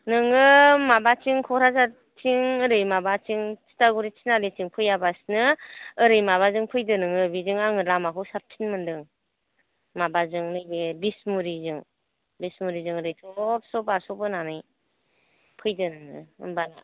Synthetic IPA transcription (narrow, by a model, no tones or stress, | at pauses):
nɯŋɯmabat͡ʃʰiŋkʰɔɾaza | tʰiŋɯɾɯjmabat͡ʃʰiŋsʰi̥taɡuɾitʰinalitʰiŋpʰɯjabasnɯɯɾɯjmaβazɯŋpʰɯjdɯnɯŋɯbizɯŋaŋɯlamakʰɯsap̚tʰinmɯndɯŋ | mabazɯŋnɯjbebismuɾizɯŋ | bismuɾizɯŋɯɾɯjtʰɯŋɔp̚sɔbasɔbɯnanɯj | pʰɯjdɯnɯŋɯ̰ɯ̰nbana